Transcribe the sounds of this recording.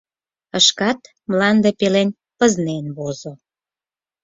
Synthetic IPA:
əʃkɑt̪ | mlɑnd̪epelen | pəznenβozo

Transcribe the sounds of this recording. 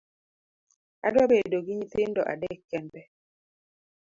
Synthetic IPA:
adwɔbedoɡiɲiten̩dɔ̰ʔa̰dɛkːɛnbɛ

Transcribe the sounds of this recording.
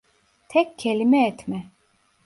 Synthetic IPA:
t̪ʰɛkʲːʰelʲimɛːt̪mɛ

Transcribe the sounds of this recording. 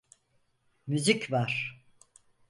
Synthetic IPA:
myzicvaɾ̥

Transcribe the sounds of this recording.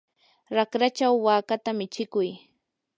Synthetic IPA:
ɾakɾat͡ʃawːaːkat̪amɪt͡ʃɪkʊj

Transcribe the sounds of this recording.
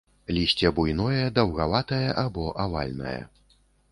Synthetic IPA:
lʲisʲt͡sʲɛbujn̪ɔjɛd̪ɐwɣavat̪ɐjɐʔabɔʔava̰lʲnɐ̰jɐ̰

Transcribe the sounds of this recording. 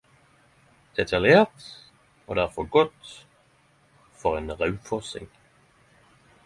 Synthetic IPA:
d̪̥ɛt̪ʰɑljeːʁt̪ | ɔd̪æʁfɔɡɔt̪ | fɔʁeːnʁɑʉfɔsɪ̰ŋ

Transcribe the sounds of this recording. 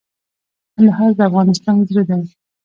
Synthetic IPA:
laɦɑzd̪əafɣɑnɪst̪ɑnzɾed̪a

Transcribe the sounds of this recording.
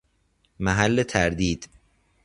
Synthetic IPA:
mæɦælːet̪ʰæɾd̪iːd̪̥

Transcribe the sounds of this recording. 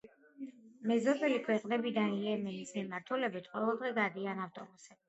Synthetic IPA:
mɛzɔbʼɛlikʰwɛqʼnɛbid̪anijɛmɛnismimaɾt̪ʰulɛbit̪ʰqʼwɔvɛlˠd̪ʁɛɡad̪ianaft̪ʼɔbusɛb

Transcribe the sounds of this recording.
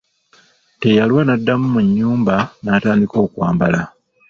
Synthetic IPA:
te̞jalwanadːamumuɲːuːmbanaːtaːndiko̞ːkwaːmbala

